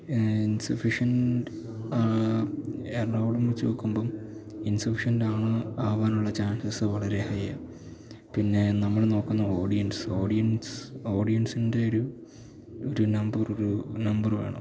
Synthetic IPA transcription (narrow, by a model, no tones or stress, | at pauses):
insufiʂɐn | aː | erɐwɽumut͡ɕːo̰ːkːumbominsufiʂɐndaːɳɨaːʋaːnuɭːɐt͡ɕaːnsɐsɨʋɐɭɐɾe̞hɐjɐ | pinːe̞nɐmːɐɭno̞ːkːunːɐoːɽijɐnso̞ːɖijɐnso̞ːɽijɐnsinde̞oɾu | oɾunɐmbɐroɾunɐmbɐrʋḛːɳɨ̰